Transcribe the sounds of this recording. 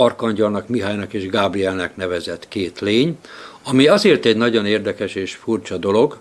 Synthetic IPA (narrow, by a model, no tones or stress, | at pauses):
ɒrkɒɲɟɒlnɒkmiɦaːjnɒkeːʒɡaːbriɛlnɛknɛvɛzɛt̪keːt̪leːɲɒmiɒzeːrt̪ɛɟnɒɟo̞neːrd̪ɛkɛʃeːʃfurt͡ʃɒd̪o̞lo̞ɡ